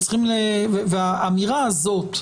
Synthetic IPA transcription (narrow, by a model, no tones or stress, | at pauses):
sχimleveveaʔamiʁaːzo̞t̪